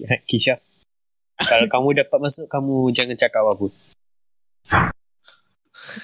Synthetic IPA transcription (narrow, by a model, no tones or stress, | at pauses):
akiʃa | kalakamũdapat̪̚mãsʊʔkamũd͡ʒaŋant͡ʃakaʔwapun